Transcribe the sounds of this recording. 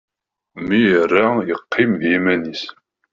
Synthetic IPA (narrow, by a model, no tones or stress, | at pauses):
mijərːæjəqʰːimðimænis